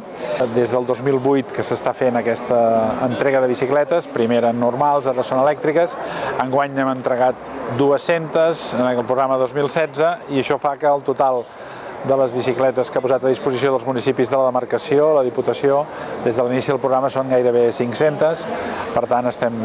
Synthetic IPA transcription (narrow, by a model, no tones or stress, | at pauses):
d̪ezðəlˠd̪ozmilˠβujt̪kəsəst̪afenəkɛst̪əːnt̪ɾɛɣəðəβ̞isiklɛt̪əspɾimeɾənurmalˠzaɾəsonəlɛk̚t̪ɾikəsəŋɡwaɲnɛmənt̪ɾəɣat̪̚d̪uəsent̪əzənlˠpɾuɣɾaməðozmilˠsɛdd͡zəiəʃɔfakəːlˠt̪ut̪alˠ | d̪ələzβisiklɛt̪əskapuzat̪əðispuzisioðəlˠzmunisipizðələðəməɾkəsioləðiput̪əsiod̪ezðəlinisiðəlˠpɾuɣɾaməsoŋɡajɾəβ̞esiŋksent̪əspəɾt̪anəst̪ɛm